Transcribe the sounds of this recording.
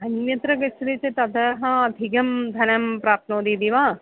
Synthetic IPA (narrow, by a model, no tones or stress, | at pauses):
ɦɐnjɐt̪ɾɐɡɐt͡ʃʰːɐd̪it͡ʃet̪ɐd̪ʱɐɦɐ̃ɐd̪ʱiɡɐmd̪ʱɐnɐmpɾaːp̚t̪noːd̪id̪iʋaː